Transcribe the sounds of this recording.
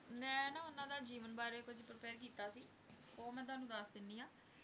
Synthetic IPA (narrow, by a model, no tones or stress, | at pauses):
mɛ̃ːnãːʊnãːd̪aːd͡ʒiːʋənbaːɾeːkʊd͡ʒpɾəpɛːɾk̬iːt̪aːsiː | oːmɛ̃ːt̪ʊaːnũːd̪aːsd̪ɪnːiːaː